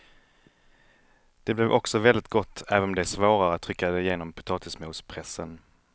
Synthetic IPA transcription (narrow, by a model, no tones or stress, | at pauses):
d̪̥ɛblɛvʔɔksɔvɛld̪ɪt̪̚ɡɔt̪ːæːvənɔmd̪ɛæʂvoːɾaɾəat̪ʰːɾʏkːad̪ɛɪjeːnɔmpʰʊ̥t̪ʰɑːt̪ʰɪsmuːspʰɾɛsːən